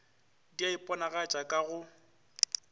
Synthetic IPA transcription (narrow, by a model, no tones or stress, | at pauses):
diaipʼɔnaɣat͡ʃʼakʼaɣʊ